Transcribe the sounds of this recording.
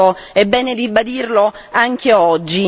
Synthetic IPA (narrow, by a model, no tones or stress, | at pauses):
oɛbːɛːned̪ibad̪irlo | aŋk̟eɔd͡ʒːi